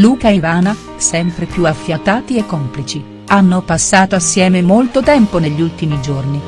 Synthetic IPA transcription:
luːkaivaːna | sɛmpɾepjuafːjat̪aːt̪iekːomplit͡ʃi | anːopasːaːt̪oasːjɛːmemolt̪ot̪ɛmponeʎːiult̪imid͡ʒorni

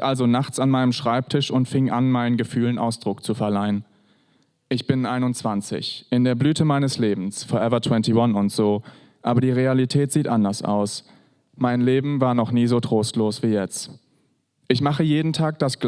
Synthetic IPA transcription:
ʔalzonaχt͡sanmaɪnəmʃʁ̥aɪp̚tʰɪʃʊntfɪŋʔanmaɪnənɡəfyːlənʔa̰ʊsd̥ʁʊkt͡sufɛɐlaɪən | ʔɪçb̥ɪnʔaɪnʊnt͡sv̥ant͡sɪ̰çʔɪndeːɐblyːtʰəmaɪnəsleːbm̩sfɔɐʔɛvɐtʰw̥ɛntiwanʊntz̥oː | ʔaːbɐdiːʁ̞ealitʰɛːtz̥iːtʔandɐsʔa̰ʊs | maɪnleːbm̩vaːɐnɔχniːzoːtʁ̥oːstloːsv̥iːjɛt͡st | ʔɪçmaχəjeːdn̩tʰaːk̚d̥asɡ̥l

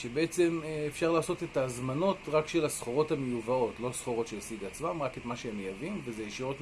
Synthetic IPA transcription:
ʃebeet͡se̞meefʃaʁlaːso̞te̞tazmano̞tʁakʃe̞lasχo̞ʁo̞tamejuvao̞tlo̞sχo̞ʁo̞tʃejasiɡat͡smamʁaketmaʃeemejavimvezejeʃiʁo̞t

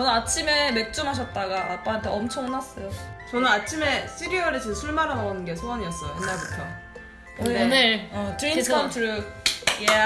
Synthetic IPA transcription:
t͡ɕʌnɯnat͡ɕʰime̞me̞k̚t͡ɕ͈umɦaɕ̬ʰʌt̚t͈aɡaːp͈aɦantʰe̞ʌmt͡ɕʰʌŋnas͈ʌjot͡ɕʌnɯnat͡ɕʰime̞s͈ʰiɾiʌɾed͡ʑɯnsʰuɭmaɾanaonɯnɡe̞sʰoaɲiʌs͈ʌjoenaɡukʰa | konɯɾatɯɾinkʰantʰɾɯk̚ja

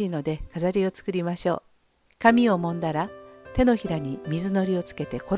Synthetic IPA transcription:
ino̞d̪e̞kazaɾʲio̞t͡sɨ̥kɯ̟ɾʲimaɕo̞̰ː | kamʲio̞mõ̞nd̪aɾat̪e̞no̞çiɾaɲ̟imʲizɨno̞ɾʲio̞t͡sɨ̥ke̞t̪e̞ko̞

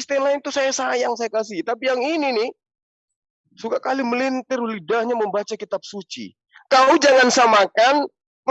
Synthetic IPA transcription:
st̪ɛmlaɪnt̪usajasajaŋsajakas̬it̪apijaŋininɪh | sukakaliməlint̪ɪrulidahɲaməmbat͡ʃakit̪ap̚sut͡ʃḭ | kaud͡ʒaŋansamakan | m

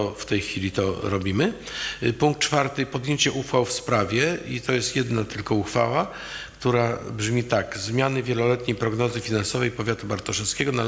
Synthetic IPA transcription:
ɔft̪ɛjxfʲilʲit̪ɔɾɔbʲimɘ | puŋk̚t̪t͡ʂfaɾt̪ɘpɔd̪jeɲt͡ɕɛʔuxfawfspɾavʲjɛit̪ɔjɛst̪jɛd̪nat̪ɘlkɔuxfa̰wa | kt̪uɾabʐmʲit̪akzmʲjanɘvʲjɛlɔlɛt̪ɲejpɾɔɡnɔzɘfʲinansɔvɛjpɔvʲjat̪ubaɾt̪ɔʂɛskʲɛɡɔna

